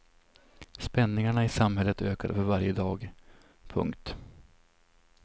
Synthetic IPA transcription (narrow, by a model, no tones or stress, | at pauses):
spɛnːɪŋaɳaɪsamɦɛlːət̪øːkad̪fœɾvaɾjəd̪ɑːɡ | pʰɵ̰ŋkt̪